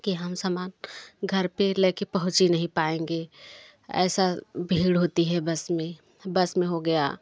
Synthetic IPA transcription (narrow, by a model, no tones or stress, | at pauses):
kiɦəmsaːmaːnɡʱɐɾpeleːkepɐɦʊ̃t͡ʃinɐɦĩpaːẽːŋɡeː | ɛ̰ːsabʱiːɽɦoːt̪iɦɛbɐsmẽ | bəsmẽɦoɡɐja̰